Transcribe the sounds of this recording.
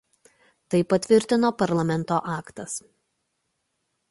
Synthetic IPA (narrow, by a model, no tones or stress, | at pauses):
t̪ɐɪpɐt̪ʲʋʲɪɾʲt̪ʲɪnoːpɐɾlˠɐmʲɛnˑt̪oːʔɑːkt̪ɐs